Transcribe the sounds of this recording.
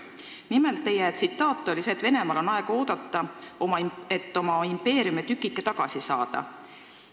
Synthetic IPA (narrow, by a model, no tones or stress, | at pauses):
nimelt̪ːejæt̪sit̪ːˑɑːt̪ːˑo̞lʲiseːt̪ve̞ne̞mɑlo̞nɑe̞ɡ̥ɑo̞ːd̪̥ɑt̪ˑːɑomɑet̪ːo̞mɑimpe̞ːɾiumet̪ykːˑikːet̪ɑɡ̥ɑsisɑːd̪̥ɑ̰